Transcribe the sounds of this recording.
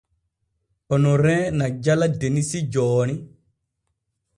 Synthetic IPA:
ʔɔnɔɾɛ̃ːnad͡ʒaladenisid͡ʒɔːni

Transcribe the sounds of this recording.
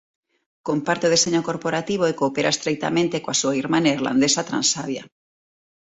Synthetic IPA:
kompaɾt̪eoð̞eseɲokoɾpoɾat̪iβ̞oekoːpeɾʔa̰est̪ɾek̚t̪a̰mẽnt̪ekoasuaiɾmanaiɾla̰nd̪esat̪ɾa̰nsaβja̰

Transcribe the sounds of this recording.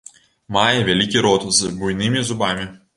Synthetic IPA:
mɑːjɛʋʲɛlʲikʲiɾɔːt̪ʊsɨbʊjnʲɪmʲɪzʊbɑːmʲɪ

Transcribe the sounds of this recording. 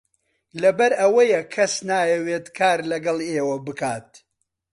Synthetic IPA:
lɐbɐɾɐwɐjɐkʰːɐsnaːjɐweːt̪kʰaːɾlɐɡɐlˠeːwɐbɨkaːt̪̚

